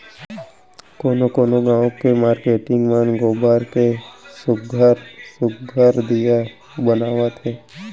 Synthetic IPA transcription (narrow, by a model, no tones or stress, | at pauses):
koːnokoːnoɡãːõkemaːɾkeːʈɪŋɡmənɡoːbaːɾkesʊɡʱaɾsʊkɡʱaɾd̪ija | bənaːʋat̪ʰeː